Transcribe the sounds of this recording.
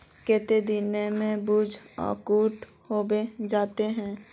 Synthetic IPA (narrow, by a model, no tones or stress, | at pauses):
kɛːt̪ed̪inemẽbuːd͡ʒɔ̰ːkuːʈ | hoːbed͡ʒaːt̪eɦɛ̃ː